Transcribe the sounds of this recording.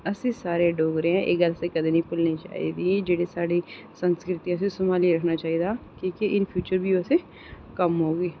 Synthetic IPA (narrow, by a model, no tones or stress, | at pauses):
ɐsesaːɾeɖoːɡɾeɦɛ̃ʔḛːɡɐlsekɐd̪inə̃ĩpʊlnĩt͡ʃa̰ːɦḭd̪id͡ʒeːɽisaːɽi | sə̃nskɾɪt̪iəs̬esʊmaːliɾɐkʰnat͡ʃaːɦid̪aːkiːkeʔɪnpʰjuːt͡ʃəɾbʱiose | kɐmɦoːɡeː